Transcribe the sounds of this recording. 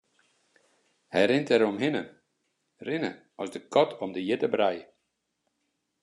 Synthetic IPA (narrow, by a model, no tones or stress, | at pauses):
hɛjɾɪntɛɾomɦɪnə | rɪnə̰ | ɔsdəkʰɔtʰɔmdəjɪtəbrajə